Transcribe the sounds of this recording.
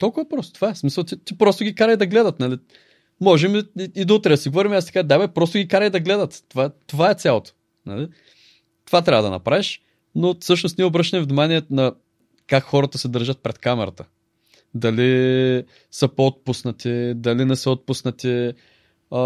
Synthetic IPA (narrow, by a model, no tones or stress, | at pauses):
t̪ɔlˠkʊvɐpɾɔst̪o̥t̪ovaɛsmisəlˠt̪it̪ipɾɔst̪ʊɡʲikaɾəjd̪ɐɡlɛd̪ɐt̪nɐli | mɔʒɛmiid̪ɐot̪ɾɛd̪siɡovɔɾimiast̪ɛ̥kad̪abɛpɾɔst̪oʊɡʲikaɾəjd̪ɐɡlɛd̪ɐt̪ːovat̪ovaɛt̪sʲjalˠot̪o̥ | nɐli | t̪ovat̪ɾavəd̪ɐnɐ̰pɾaviʃ | nofsɤʃ̬nost̪niɛobɾɤʃt̪əmvnimaniɛnɐ | kakxɔɾɐt̪əsɛd̪ɤɾʒət̪̚pɾɛt̪kamɛɾɐ̰t̪ə̥ | d̪ɐli | səpoot̪̚pusnət̪id̪ɐlinɛsəot̪̚pusnət̪i